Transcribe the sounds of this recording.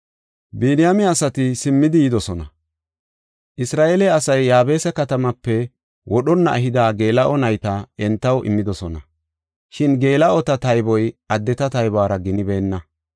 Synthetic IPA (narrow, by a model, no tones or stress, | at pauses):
biːnɪjamɛɐsɐt̪ɪsɪmːɪd̪ɪjɪd̪ɔsɔnɐ | ʔɪsɾaːʔelɛɐsɐjːaːbe̞ːsɐkɐt̪ɐmɐpːɛ | wʔɔɗɔnːɐ̰ʔɐɦɪd̪aːɡe̞ːlɐʔɔnɐjt̪ɐɛnt̪ːɐwʔɪ̰mːɪd̪ɔsɔnɐ | ʃɪnɡe̞ːlɐʔɔt̪ɐt̪ɐjbɔjɐd̪ːɛt̪ɐt̪ɐjbaːɾɐɡɪnɪbe̞ːnːɐ